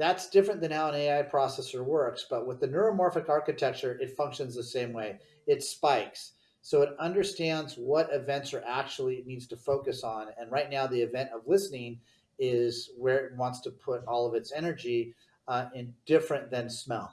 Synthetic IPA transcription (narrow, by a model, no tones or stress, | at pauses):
ðætsd̥ɪfɹɨ̃nðɨ̃nhaʊə̃ñeɪaɪpʰɹ̥ɔsɛsə˞wɜ˞ksb̥ʌt̚wəðɨnə˞ɨmɔɹfɨkɑɹkɨtʰɛk̚t͡ʃə˞ʔɨtfʌ̃ŋkʃɨ̃nzðɨsẽɪ̃mweɪ | ɨtspaɪksː | oʊɨɾʌ̃ndə˞stæ̃ndzwʌɾɨvɛ̃ntsə˞ʔæk̚t͡ʃul̩ˠiɨtⁿnidz̥tʰəfoʊkɨsn̩ɨ̃nɹaɪtⁿnaʊðiɨvɛ̃ntʌvlɪsnɪ̃ŋ | ɪzwə˞ɨt̚wɑ̃ntstʰəpʰʊɾɔlˠʌvɨtsɛnə˞d͡ʒi | ɪ̃nd̥ɪfɹɨ̃nðɨ̃nsmɛ̰lˠ